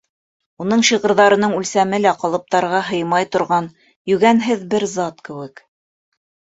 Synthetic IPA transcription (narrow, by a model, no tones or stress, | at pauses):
unɤɴɕiʁɤ̆ɾðɑɾɤ̆nɤɴʉlsæmɘlæqɑlˠɤ̆p̚t̪ɑɾʁɑɦɤ̆jmɑjt̪ŏɾʁɑn | jɵ̆ɡænɦɘðbɘɾzɑt̪kɘ̆wɘ̆k